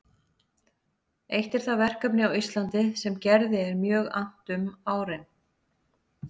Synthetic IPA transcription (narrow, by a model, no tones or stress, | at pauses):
ejht̪ɛɾ̥θavɛr̥kapnɪawist̪lant̪ɪsɛmcɛɾðɪɛɾmjœːɣa̰n̥t̪ʏmaːwɾɪn